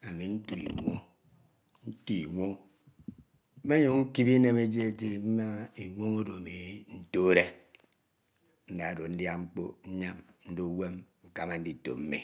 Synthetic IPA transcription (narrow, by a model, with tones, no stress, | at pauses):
a˨mi˨n̩˦tu˨ḭ˨ŋʷo̰˦ŋ | n̩˦tu˦i˨ŋʷo˦ŋ | m̩˦me˦ɲo˨ŋ̩˦ki˦bi˦ne˦me˦d͡ʒe˦e˦te˦m̩˦ma˦i˨ŋʷo˦ŋo˦do˨me˨˦n̩˦to˦ɾe˦ | n̩˦da˨do˨n̩˦dja˦ŋ͡m̩˦k͡po̰˦ɲ̩˦ɲa˦mn̩˦do˦we˦m̩˨ka˨ma˨n̩˦di˦to̰˨m̩˦mḭ˨